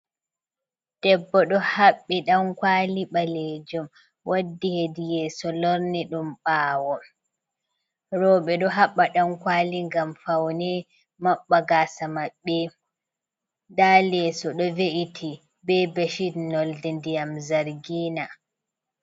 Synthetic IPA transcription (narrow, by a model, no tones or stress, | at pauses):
d̥ɛbːɔɗɔhaɓːiɗamkwaːliɓaled͡ʒɔm | wʔadːihedijɛsɔlɔɾniɗumɓaːwɔ | ɾɔːɓɛɗɔɦaɓːaɗamkwaːliŋɡamfawnɛ | maɓːaɡaːsamaɓːɛ | dalɛsɔɗɔveʔitʰi | bɛbeʃidnɔldɛndijamzaɾɡiːna